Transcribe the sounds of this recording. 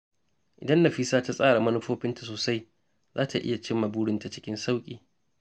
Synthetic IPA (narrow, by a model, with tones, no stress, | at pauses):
ʔɪ˨dɐ˦nːa˨ɸi˦saː˦ta˦sʼaː˦ɽa˨mɐ˦nʊ˦ɸoː˦ɸɪ˦nta˨soː˨sa˦j | zaː˦tʰa˨ʔɪ̰˦ja˨t͡ʃɪ˦mːa˨buː˦ɽɪ˦nta˨t͡ʃɪ̥˦kʲɪ˦nsa˦wkʲʼḭː˨